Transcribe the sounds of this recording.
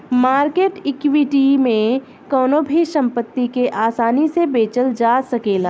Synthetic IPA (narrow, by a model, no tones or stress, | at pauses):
maːɾkeːʈɪkwɪʈimẽ | kɔːnobʱiʃɐ̃mpət̪ːikeʔaːsaːnisebeːt͡ʃəld͡ʒaːsɐkeːlaː